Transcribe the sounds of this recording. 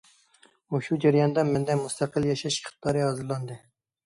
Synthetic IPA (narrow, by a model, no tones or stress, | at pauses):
oʃud͡ʒæɾjɑnd̪ɑmɪnd̪ɛmust̪ʰɑqəlˠjɑʃɑʃʲχʰɨ̥t̪ʰːɑɾɨhɑzɨlˠɑnd̪ɨ